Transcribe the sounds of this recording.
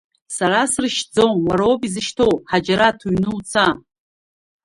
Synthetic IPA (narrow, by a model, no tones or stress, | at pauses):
saɾasrɨʃd͡zonwaɾowbizɨʃtʰowħad͡ʒaɾatʰuɥnɨwt͡sʰa